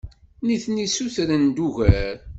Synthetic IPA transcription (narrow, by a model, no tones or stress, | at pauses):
niθnisuθɾənd̪uʝæɾ